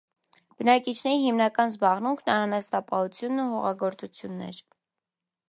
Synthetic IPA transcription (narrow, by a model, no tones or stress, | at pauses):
b̥ənɑkit͡ʃʰnɛɾiɦimnɑkɑnzbɑʁnuŋkʰnɑɾɑnɑst̪ɑpɑhut͡sʰjunːuɦɔʁɑɡɔɾt͡sut͡sʰjunːɛ̰ɾ